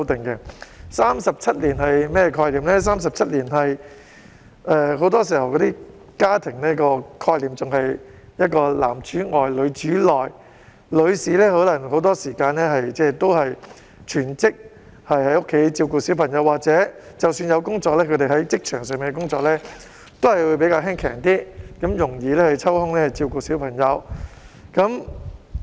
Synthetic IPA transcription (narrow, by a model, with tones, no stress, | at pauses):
wt̪ɪ˨ŋkɛ˧saː˥msɐ˨p̚t͡sʰɐ˥t̚liː˨˩nɦɐ˨˩jmɛː˥jɛ˧kʰɔː˧liː˨mlɛ˥s̬aː˥msɐ˨p̚t͡sʰɐ˥t̚liː˨˩nɦɐ˨j | ʔɛ˧ɦo˨˥wt̪ɔː˥s̬iː˨˩hɐ˨˩wkɔ˨˧˥t̪iː˥ | kaː˥t̪ʰɪ˨˩ŋnɛː˥kɔː˧kʰɔː˧jliː˨mt͡sʊ˨ŋhɐ˨j | jɐ˥t̚kɔː˧la̰ː˨˩mt͡ʃyː˨˥ŋɔː˨jlɵ˨˧ɥt͡ʃyː˨˥lɔː˨j | lɵ˨˧ɥsiː˨lɛː˥hɔ˨˥wlɐ˨˩ŋho˨˧˥wt̪ɔː˥siː˨˩kaː˧nlɛː˥ɦɐ˨jt͡sɛː˥t̪o˥whɐ˨j | t͡ʃʰyː˨˩nt͡sɪ˥k̚ | hɐ˨jhɐ˨˥jʊ˥kʰːe˨˥jt͡siː˧wkuː˧siː˨˥wpʰɐ˨˩ŋjɐ˨˧wːaː˨˩k̚t͡sɛː˨˥t͡sɐ˨wsyː˧njɐ˨˧wkʊ˥ŋt͡sɔː˧k̚lɛː˥kʰɵ˨˧t̪e˨jɦɐ˨˥jt͡sɪ˥k̚t͡ʃʰœː˨˩ŋsœː˨miː˨˧ŋɛkʊ˥ŋt͡sɔː˧k̚lɛː˥ | t̪o˥whɐ˨jwu˨˧jpe˨˧˥jkaː˧wɦɛː˥ŋkʰɛ̰ː˨˩ŋt̪iː˥kɐ˨˥mjʊ˨˩ŋjiː˨˧lɛː˥hɐ˨˧t͡sʰɐ˥whʊ˥ŋlɛː˥ɐ˨˩t͡siː˧wkuː˧siː˨˥wpʰɐ˨˩ŋjɐ˨˧w | kɐ˨˧˥m